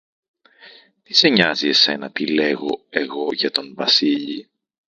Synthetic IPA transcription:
t̪ise̞ɲɐzie̞se̞̰nɐt̪ile̞ɣo̞e̞ɣo̞ʝɐt̪o̞nvɐsiʎḭ

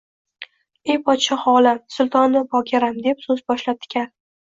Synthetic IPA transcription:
ejpʰɒt̪ʃaχɒlamsʊlˠt̪ʰɒnːɪbʰɒkʲʰaɾamd̪e̞psɵzbɒʃlap̚d̪̥ʰɪ̥kʲan

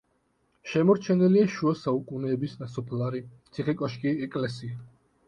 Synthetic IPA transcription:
ʃɛmɔɾt͡ʃʰɛnɛliaʃuasaukʼunɛːbisnasɔpʰlaɾit̪sʰiχɛkʼɔʃkʼiɛkʼlɛsia

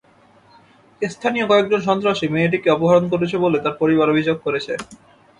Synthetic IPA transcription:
est̪ʰanijokɔek̚d͡ʑonʃ̬ɔnt̪ɾaʃimeeʈ̬ikeɔpoɦaɾonkoɾet͡ɕʰebolet̪aɾpoɾiβaɾobʱid͡ʑoɡ̚koɾet͡ɕʰe

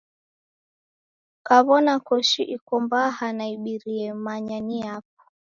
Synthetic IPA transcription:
kaβɔnakɔʃiʔikɔmbahanaiɓiɾiɛmaɲaniap̚ɔ̥

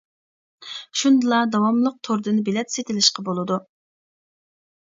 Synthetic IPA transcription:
ʃund̪ɨlˠɑd̪ɑwɑmlˠəq̚t̪ʰoɾd̪ɨnɪbelɛt̪set̪ɪlɪʃqɑbolˠɨd̪u

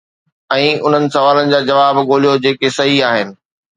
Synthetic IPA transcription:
ɛ̃ːʊn̤ənɪ̆sɐʋaːlənɪ̆d͡ʑaːd͡ʑɐʋaːbɡoːlijod͡ʑeːkesɐɦiaːɦɪnɪ̆

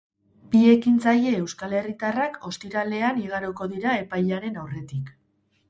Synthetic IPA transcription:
bie̞kint͡saje̞ːwskale̞rit̪arako̞st̪iɾale̞aniɣaɾoko̞ðiɾae̞pajʎaɾe̞nawre̞t̪ik

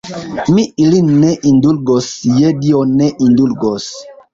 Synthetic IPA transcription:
miilinːeʔindulɡosjedioneʔindulɡos

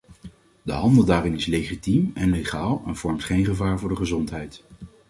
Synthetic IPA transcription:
də̰ɦɑndəlˠdaːrɪnɪslejχitimɛnleχaːlˠɛnv̥ɔɹmtχejnχəvaːɹvʊːɹdəχəzɔntɦɛjt

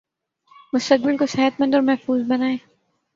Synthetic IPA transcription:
mʊst̪ək̚bɪlkosɛɦət̪mɐ̃nd̪ɔːɾmɛɦfuːzbɐnaːẽː

